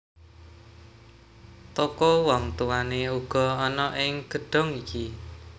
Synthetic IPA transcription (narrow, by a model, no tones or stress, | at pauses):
t̪okɔwɔŋt̪uwaneuɡ̥ɔ̤ɔnɔʔɪŋɡ̥ə̤ɖ̥ɔ̤ŋiki